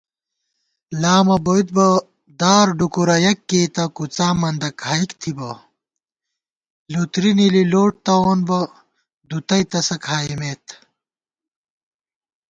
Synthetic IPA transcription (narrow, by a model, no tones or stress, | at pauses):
laːmɐboit̪̚bɐ | d̪aːɾɖukuɾɐjɐkːeːt̪ɐkut͡saːmɐnd̪ɐkʰaːikt̪ʰibɐ | lut̪ɾinililoːʈ̚t̪ɐoːnbɐ | d̪ut̪ɐjt̪ɐsɐkʰaːimeːt̪ʰ